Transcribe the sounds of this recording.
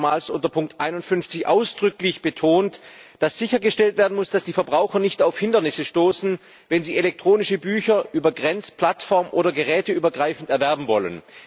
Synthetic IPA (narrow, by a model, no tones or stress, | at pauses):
maːlsʔʊntɐpʰʊŋk̚tʔaɪnʊntfʏnft͡sɪçʔa̰ʊsd̥ʁʏklɪçb̥ətʰoːntd̥asz̥ɪçɐɡəʃtɛltv̥eːɐdn̩mʊsd̥asd̥iːfɛɐbʁaʊxɐnɪçtaʊfhɪndɐnɪsəʃtoːsn̩ | vɛnziːelɛk̚tʁ̥oːnɪʃəbyːçɐʔyːbɐɡʁɛnt͡spʰl̥atfɔɐmʔoːdɐɡəʁɛːtəyːbɐɡʁaɪfn̩tɛɐvɛɐbm̩vɔ̰lə̰n